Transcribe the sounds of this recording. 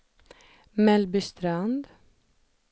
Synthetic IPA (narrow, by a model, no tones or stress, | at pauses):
mɛlbʏst̪ɾand̪